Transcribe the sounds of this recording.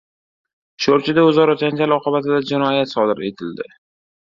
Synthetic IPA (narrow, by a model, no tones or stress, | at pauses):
ʃoɾt͡ʃʰɪd̪aʊzɒɾɒd͡ʒand͡ʒalɒqʰɨbat̪ɪd̪ad͡ʒɪnɒjat̪sɒd̪ɪɾe̞̰t̪ʰɪld̪ɪ̰